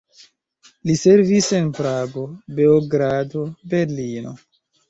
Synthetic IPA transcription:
lise̞ɾvise̞npɾaɡo̞beoɡɾadobe̞ɾlino̞̰

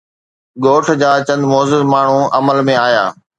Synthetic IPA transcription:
ɠoːʈʰd͡ʑaːt͡ɕɐ̃nd̪moːzʊzmaːɳ̤ũʔɐməlmẽaːjaː

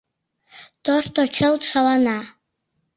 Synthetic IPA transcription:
t̪oʃt̪ot͡ɕəlt̪ʃɑlɑnɑ

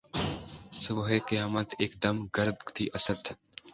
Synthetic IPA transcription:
sʊbɦeqəjaːmət̪eːk̚d̪ɐmɡɐɾbt̪ʰiʔɐsəd̪

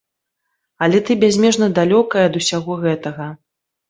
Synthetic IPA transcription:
ɐlʲɛt̪ɨbʲazʲmʲɛʐnɐd̪alʲɔkɐjɐd̪usʲaɣɔɣɛt̪ɐɣɐ

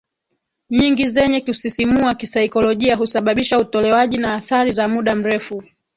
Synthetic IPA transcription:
ɲiŋɡizɛɲɛkusisimuakisaikɔlɔʄiaɦusaɓaɓiʃautɔlɛwaʄinaːθaɾizamuɗam̩ɾɛfu

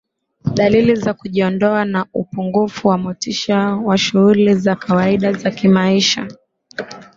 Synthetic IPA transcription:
ɗalilizakuʄiɔndɔanaupuŋɡufuwamutiʃawaʃuhulizakawaiɗazakimaiʃa̰

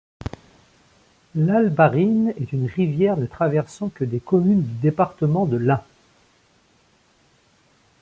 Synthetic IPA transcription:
lalbaʁinɛt̪ynʁivjɛʁnət̪χavɛʁsɑ̃kəd̪ekɔmynd̪yd̪epaʁt̪əmɑ̃d̪əlɛ̃

